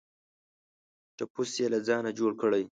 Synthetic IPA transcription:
ʈapusjelad͡zɑːnad͡ʒoɽkəɽaj

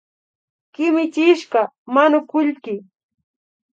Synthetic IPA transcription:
kɪmɪt͡ʃɪʃɢɑ | maɲʊkʊʎkɪ

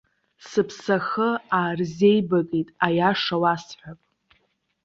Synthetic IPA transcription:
sɨpʰsaxəaːrze̞jbakʼitʼajaʂawasħʷᶣapʼ

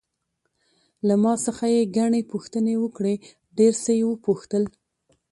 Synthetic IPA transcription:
lamɑsəxajeɡaɳepuxt̪ənewəkɽe | ɖeɾsəjewəpuxt̪əl

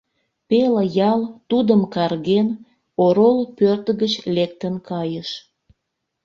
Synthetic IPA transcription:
pelejɑlt̪ud̪əmkɑrɣen | oɾolpørt̪əɣət͡ɕlek̚t̪ənkɑjəʃ

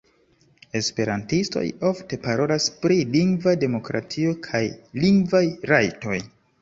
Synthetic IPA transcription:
e̞spe̞ɾantisto̞̰jo̞fte̞paɾo̞laspɾiliŋɡvade̞mo̞kɾa̰tio̞kʰajliŋɡvajɾajto̞j

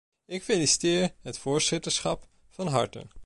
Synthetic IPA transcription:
ɪkfelisi̥tɪːɹɦətfoːɹzɪtəɹsχɑp | fɑnɦɑ̰ɹtə̰n

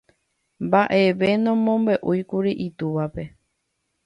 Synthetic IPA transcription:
mbaʔe̞ʋe̞nõmõ̞mbe̞ʔujkuɾiʔit̪uʋape̞

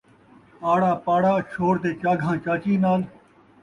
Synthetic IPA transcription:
aːɽaːpaːɽaːʃoːɽd̪eːt͡ʃaːɡʱãːt͡ʃaːt͡ʃĩːnaːl

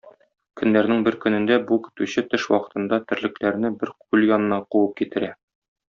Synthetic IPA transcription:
kɵ̆nːæɾnɘŋbɘɾkɵ̆nɘ̆nd̪æbuki̥t̪ʉɕɘt̪ɘʃwɒ̰qɤ̥̆t̪ɤ̆nd̪ɑt̪ɘ̆ɾlɘ̆klæɾnɘbɘɾq̚ʉljɒnɤ̆nɑquwɤp̚kit̪ɘ̆ɾæ

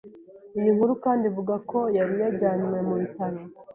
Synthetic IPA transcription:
ijiŋhuɾukaːndivuɡakʰo̞jaɾijaɟaːɲwe̞muβitaɾo

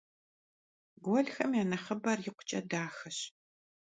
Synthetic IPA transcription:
ɡʷɔɮxɐmjaːnɐχɐbɐrjɪqʷʊ̥t͡ʃʼɐdaːxɐɕ

